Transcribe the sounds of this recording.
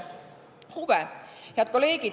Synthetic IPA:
huʋɛjɑt̪̚koleːɡ̥i

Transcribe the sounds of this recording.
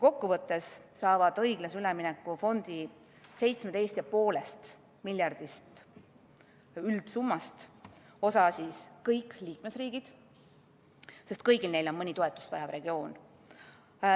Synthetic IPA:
ko̞kːuvɤt̪ːˑe̞ssɑːvɑd̪̥ɤjɡ̥lɑsylɛminɛkːˑufo̞nd̪̥i | se̞jt̪smet̪e̞jst̪jɑpo̞ːle̞st̪ | milʲjɑrd̪̥ist̪ | yld̪̥sumːɑst̪ | o̞sɑsiskɤjkːliːkme̞sriːɡ̥id̪̥ | se̞st̪̚kɤjɡ̥ilne̞jlo̞nmɤnʲit̪oet̪ːˑu̥st̪vɑ̰jɑvre̞ɡ̥io̞ːn

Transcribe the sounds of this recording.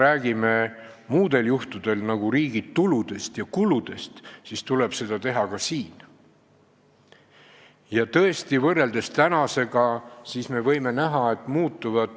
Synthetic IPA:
ɾæːɡ̥ime̞ | muːd̪̥e̞ljuht̪ud̪̥e̞lnɑɡ̥uɾiːɡ̥id̪t̪ulud̪̥e̞st̪jɑkulud̪̥e̞st̪sist̪ule̞b̥se̞d̪̥ɑt̪e̞ɦɑkɑsiːn | jɑt̪ɤe̞st̪ivɤrːe̞ld̪e̞st̪ænɑse̞ɡ̥ɑsisme̞vɤ̞jme̞næɦɑe̞t̪ːˑmuːt̪ˑːuvɑd̪̥

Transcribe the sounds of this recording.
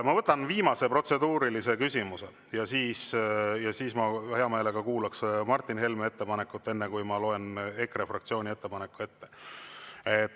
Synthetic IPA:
mɑvɤt̪ːˑɑnviːmɑse̞pro̞t̪se̞d̪uːɾilise̞kysʲimuse̞ | jɑsiːsjɑsiːsmɑhe̞ɑme̞ːle̞ɡɑkuːlɑksmɑrt̪ˑːinhe̞lmee̞t̪ːe̞pɑne̞kːˑut̪ːe̞nːe̞kujmɑlo̞e̞ne̞krefrɑk̚t̪sio̞ːnʲie̞t̪ːepɑnekːue̞t̪ːe̞ | et̪ː

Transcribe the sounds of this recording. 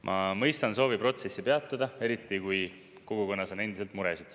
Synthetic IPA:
mʔɑmɤjst̪ɑnso̞ːvipro̞t̪se̞sːipe̞ɑt̪ːˑɑd̪ɑe̞ɾit̪ːˑikuj | ko̞ɡ̥uko̞nːɑso̞ne̞nd̪iselt̪ˑmuɾesid̪̥

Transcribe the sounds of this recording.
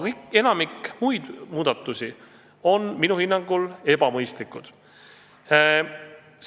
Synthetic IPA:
kɤjke̞nɑmikmujd̪̥muːd̪̥ɑt̪ːˑusi | o̞nminuhinːɑŋɡ̥ule̞b̥ɑmɤjst̪likːˑud̪̥ | s

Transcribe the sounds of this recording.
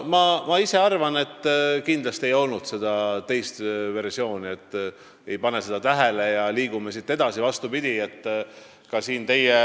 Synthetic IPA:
mɑmɑise̞ɑrvɑne̞t̪ːkind̪lɑst̪iejo̞lnud̪̥se̞d̪̥ɑt̪e̞jst̪ve̞rsio̞ːnie̞t̪ː | e̞jpɑne̞se̞d̪̥ɑt̪æɦelejɑliːɡ̥umesit̪ːe̞d̪ɑsivɑst̪upid̪̥ʲie̞t̪ː | kɑsiːnt̪e̞je

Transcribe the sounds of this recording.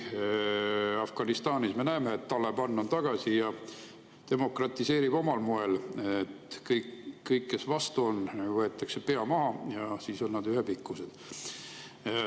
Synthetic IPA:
ɑfɡ̥ɑnist̪ɑːnisme̞næemeːt̪ːɑlːepɑnːont̪ɑɡ̥ɑsijɑ | t̪e̞mo̞krɑt̪ˑːise̞ːɾib̥o̞mɑlmoe̞let̪kɤjkkːɤjkːe̞svɑst̪uo̞nvɤe̞t̪ːˑɑkse̞pe̞ɑmɑɦɑjɑsiso̞nnɑd̪yɦepikːˑused̪̥

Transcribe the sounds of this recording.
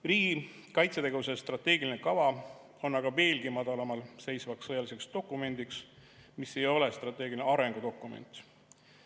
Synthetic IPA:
riːɡi | kɑjt̪set̪e̞ɡe̞vus̬est̪rɑt̪ːˑe̞ːɡilinekɑvɑ | o̞nːɑɡ̥ɑve̞ːlɡ̥imɑd̪̥ɑlɑmɑlse̞jsvɑksːɤjɑlise̞kst̪o̞kːˑume̞nd̪̥iksmisːe̞jo̞lest̪rɑt̪ːˑe̞ːɡilineɑɾe̞ŋɡ̥ud̪o̞kːˑumḛnt̪

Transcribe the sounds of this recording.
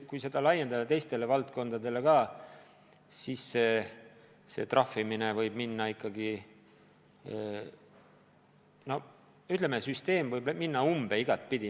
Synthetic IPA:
kujse̞d̪̥ɑlɑjːe̞nd̪ɑd̪ɑt̪ejst̪e̞le̞vɑlt̪ko̞nd̪ɑd̪e̞le̞kɑː | siːsːe̞ː | se̞̰t̪rɑfːiminevɤjb̥minːɑikːɑɡi | no̞ | yt̪lemesyst̪e̞ːmvɤjbminːɑumb̥e̞iɡ̥ɑt̪̚ːˑpid̪i

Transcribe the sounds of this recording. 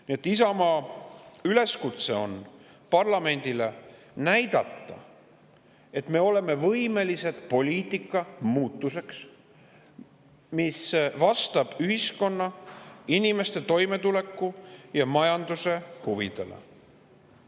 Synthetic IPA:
niet̪ːis̬ɑmɑ | yle̞skut̪se̞o̞̰n | pɑrlɑme̞nʲd̪̥ile̞ | næjd̪̥ɑt̪ːɑ̰ | e̞t̪ːme̞ːo̞le̞me̞vɤjme̞lise̞d̪̥po̞lʲiːt̪ːˑikːˑɑmuːt̪ːˑuse̞ks | misvɑst̪ɑb̥yɦisko̞nːɑinime̞st̪e̞t̪o̞jme̞t̪ule̞kːˑujɑmɑjɑnd̪use̞huvid̪̥e̞lḛ

